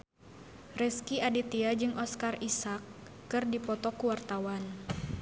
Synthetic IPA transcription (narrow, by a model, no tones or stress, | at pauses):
rɛskiadit̪iad͡ʒɨŋʔɔskarisakː | ɨrdipɔt̪ɔkuwart̪awan